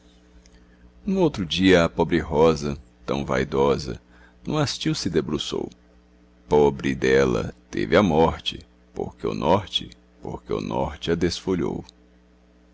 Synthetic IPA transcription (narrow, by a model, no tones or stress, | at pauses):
nũowt̪ɾʊd͡ʒiɐːpɔbɾɪɦɔzɐt̪ɐ̃w̃va̰jd̪ɔzɐ̰ | nũast͡ʃiwsɪd̪ebɾuso̰w | pɔbɾɪd̪ɛlɐ̰t̪evɪɐmɔɾt͡ʃɪ | po̰ɾkeʊ̰nʔɔɾt͡ʃɪ | po̰ɾkeʊ̰nɔɾt͡ʃɪɐd̪esfoʎo̰w